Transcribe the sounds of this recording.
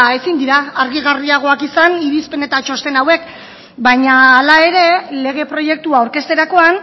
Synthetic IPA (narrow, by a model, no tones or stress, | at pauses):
e̞sind̪iɾaːɾɣiɣ̞ariaɣ̞o̞akisaniɾispe̞ne̞t̪at͡ʃo̞st̪e̞nawe̞k | bajɲaːlae̞ɾe̞le̞ɣ̞e̞pɾo̞je̞k̚t̪uauɾke̞st̪e̞ɾako̞an